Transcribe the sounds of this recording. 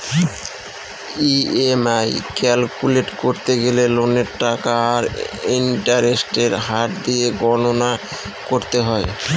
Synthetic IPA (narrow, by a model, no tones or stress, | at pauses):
iemajkɛlkuleʈkoɾt̪eɡeleloneɾʈakaːɾinʈaɾesʈeɾɦaʈd̪ieɡɔnona | koɾt̪eɦɔe